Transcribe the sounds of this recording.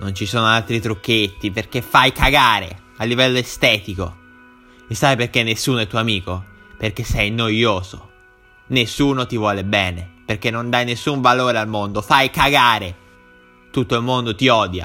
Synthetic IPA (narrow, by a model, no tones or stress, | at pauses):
nont͡ʃisoːnoalt̪ɾit̪ɾukːet̪ːiperkefːajkaɡaːɾḛ | alːivɛlːoest̪ɛːt̪iko̰ | esːajperkenːesːuːnoɛt̪ːuoamiːko | perk̟esːɛjnojoːzo | nesːuːnot̪ivwɔːlebɛːneperkenːond̪ajnesːuɱvaloːɾealmond̪ofajkaɡaːɾe | t̪ut̪ːoilmond̪ot̪iɔːd̪ja̰